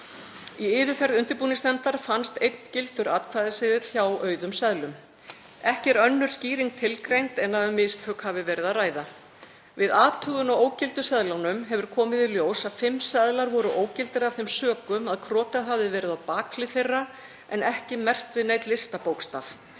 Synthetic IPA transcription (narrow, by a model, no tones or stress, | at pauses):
iɪːðʏfɛɾðʏnt̪ɪɾpuːnɪst̪ɛnt̪aɾ̥fanst̪ejt̪n̥cɪlt̪ʏɾaːt̪kʰvaːjðɪsɪːðɪt̪l̥çawœːɥðʏmsɛðlʏm | ɛhcɛɾœnːʏɾ̥sciːɾiŋk̚t̪ʰɪlkɾejnt̪ɛnːaðʏmɪst̪ʰhœːkhavɪvɛːɾɪðaðraːjða | vɪðaːt̪ʰœɣʏnɔoːwcɪlt̪ʏsɛðlawnʏmɦɛvʏɾ̥kʰɔːmɪðiljoːwsaðfɪmːsɛðlaɾvɔɾʏʔoːwcɪlt̪ɪɾav̥θejmsœːkʏmaðkʰɾɔːt̪aðɦavðɪvɛːɾɪðawpaːkʰlɪfejrːa | ɛnɛhcɪmɛr̥t̪vɪðnejt̪lɪst̪apowkst̪af